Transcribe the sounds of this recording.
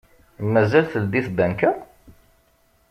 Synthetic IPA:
mæzælθəld̪iθbænkæ

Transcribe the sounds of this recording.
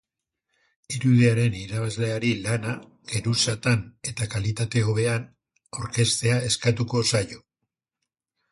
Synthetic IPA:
iɾuðeaɾe̞niɾaβazle̞aɾilana | ɡ̥e̞ɾusat̪ane̞t̪akalit̪at̪e̞o̞βe̞an | aoɾke̞st̪e̞ae̞skat̪uko̞sajo̞

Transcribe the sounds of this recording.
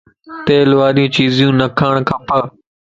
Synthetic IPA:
t̪eːlʋaːɾijũːt͡ɕiːzijũːnəkʰaːɳ̃kʰãːpə

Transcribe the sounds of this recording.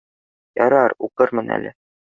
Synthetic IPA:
jɒɾɑɾuqɤɾmɤnæ̰lɘ

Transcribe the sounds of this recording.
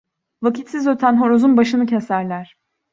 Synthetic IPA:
vacit̪sizø̞t̪ʰænɦo̞ɾozunbaʃɯnɯcʰe̞sæɾlʲæɾ̥

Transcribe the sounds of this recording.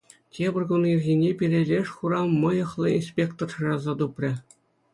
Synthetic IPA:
tʲebʲɘ̆rʲɡunirʲɣʲinʲepʲirʲelʲeʂχuɾɑmɤ̆jɤ̆χlˠɤ̆inspʲekt̪orɤrɑzɑt̪uprʲɘ̆

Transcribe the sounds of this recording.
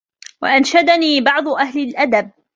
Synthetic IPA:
wa̰ʔanʃad̪aniːbɑʕd̪ˤʊʔaɦlɪlʔad̪ab̚

